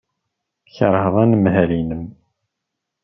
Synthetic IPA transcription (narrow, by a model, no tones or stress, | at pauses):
çɾˤhəðˤɑnəmɦælinəm